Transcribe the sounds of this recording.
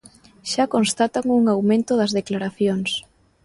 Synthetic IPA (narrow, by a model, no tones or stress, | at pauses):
ʃakonst̪at̪aŋuŋawmẽnt̪ʊðɐzðeklaɾaθjoŋs